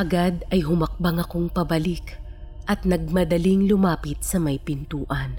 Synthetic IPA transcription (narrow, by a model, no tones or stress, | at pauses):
ʔɐɡad̪ɐjɦʊmɐk̚bɐŋɐko̞ŋpɐbɐlik | ʔɐt̪̚nɐɡ̚mɐd̪ɐliŋlʊmaːpɪt̪̚sɐmɐjpɪnt̪uːʔɐn